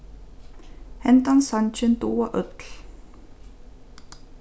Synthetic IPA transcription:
hɛnt̪ansant͡ɕɪnt̪uːaʔœt̪l̥

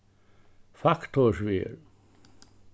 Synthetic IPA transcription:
fakt̪osʋiel

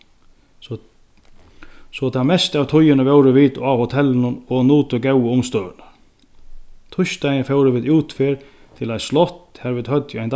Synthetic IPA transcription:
sɔt̪ʰamɛst̪aʋt̪ʰʊjːɪnəʋɛwɾəʋiːd̪ahot̪ʰɛlːɪnʊnɔɣnuːt̪ʊɡɛwəʊmst̪œːʋənḁ | t̪ʰʊʃt̪aj̪fɛwɾəʋiːd̪uːt̪fɪɾ | t̪ʰɪlajslɔht̪hɛɾviːd̪hœt̪jaɪnt̪

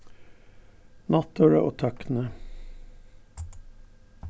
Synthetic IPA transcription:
nɑt̪oːɾəʔo̰ːt̪ʰɑkn̩ə

